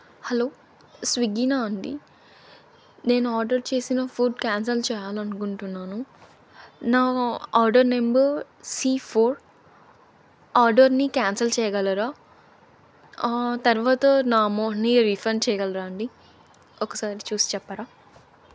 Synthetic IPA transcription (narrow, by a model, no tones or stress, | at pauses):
hɐlo̞ː | sʋiɡinaːɐɳɖḭ | ne̞ːnuaːɾɖɐɾt͡ʃe̞ːsinɐpʰuːɖkaːns̬ɐlt͡ʃɛːjaːlɐnukuɳʈunːaːnu | naːaːɾɖɐɾnembɐɾ | siːpʰoːɾ | aːɾɖɐɾnikaːnsɐlt͡ʃɛːjɐɡɐlɐɾaː | t̪ɐɾʋaːt̪ɐnaːmoːɦniɾipʰɾɐnt͡ʃɛːjɐɡɐlɐɾaːɐɳɖi | ɔkɐsaːɾit͡ʃuːsi̥t͡ʃɛpːaːɾaː